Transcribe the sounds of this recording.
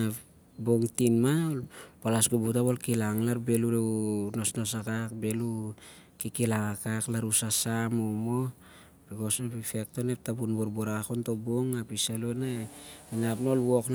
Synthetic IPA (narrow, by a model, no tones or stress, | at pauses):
boŋtinmalpalasɡubutaβolkilaŋlaɾbe̞luɾeno̞sno̞sakakbe̞lukikilaŋakaklaɾusasamumo | b̥iko̞spife̞k̚to̞nep̚tapunboɾbuɾaakontoboŋapisalunaeminapno̞lwo̞kn